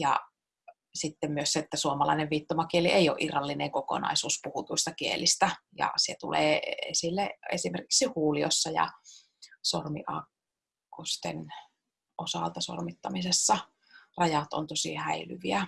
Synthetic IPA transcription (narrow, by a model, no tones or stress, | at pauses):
jɑ̰ | sit̪ːemmyøsseet̪ːæsuomɑlɑ̰ineʋʋiːt̪ːomɑkieliʔeio̰ʔirːɑlːineŋkoko̰nɑ̰isuːspuhut̪uist̪ɑkiḛlist̪æjɑ̰set̪ṵlḛːḛsilːeesimerki̥ksihuːlio̰sːɑjɑ̰ | sormḭʔɑ̰kː | ost̪ḛn | ʔosɑ̰lt̪ɑso̰rmit̪ːɑmisesːɑ | rɑjɑt̪o̰nt̪osḭhæily̰ʋiæ